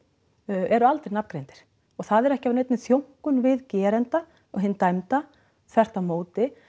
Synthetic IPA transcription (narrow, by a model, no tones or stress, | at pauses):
ʔɛɾʏalt̪ɪɾnapkɾejnt̪ɪ̥ɾ̥ | ɔɣθaðɛɾɛhcɪavnejt̪nɪmθjowŋ̥kʏnvɪðcɛːɾɛnt̪a | ɔɣɦɪnːt̪ajmt̪a | θɛr̥t̪amoːwt̪ɪ